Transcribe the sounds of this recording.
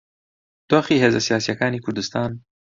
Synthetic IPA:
t̪oxiɦezasijɑːsijakɑːnikʰʊɾd̪ɪst̪ɑːn

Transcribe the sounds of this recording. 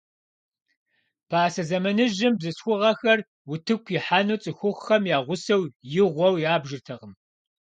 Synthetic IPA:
pʰaːsɐzɐmɐnɨʒɪmbzɨsxʷʊʁɐxɐr | wʊtʰɨkʷʰjɪħanuːt͡sʼɨxʷʊχxɐmjaːʁʷʊsɐwjɪʁʷɔwjaːbʒɪrtʰɐʁəm

